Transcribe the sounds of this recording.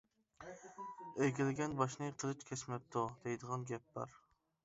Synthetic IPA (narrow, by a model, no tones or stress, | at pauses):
eɡʲɪlɪɡʲɛnbɑʃnɨqʰəlˠɨt͡ʃkʲʰɛsmɛp̚t̪ʰud̪̥ejd̪əʁɑnɡʲɛp̚bɑ̰ɾ